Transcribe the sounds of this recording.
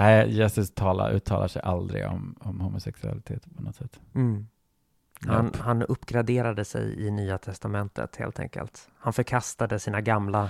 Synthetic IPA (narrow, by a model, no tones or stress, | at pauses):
æɪjɛsɵst̪ʰɑːla̰ɾʔʉ̟ːt̪ʰːɑːlaʂɛjʔald̪ɾɪ̰ɡɔmɔmhuːmʊsɛksɵa̰lɪt̪ʰeːt̪pʰɔnɔt̪sɛt̪ːm̩ː | hanhanɵpːɡɾad̪eːɾad̪əsɛ̰jɪnyːat̪ʰɛst̪amɛnt̪ʰə̰t̪hḛːlt̪ɛ̰ŋkə̰lt̪hanfœɾkʰast̪ad̪əsiːnaɡamla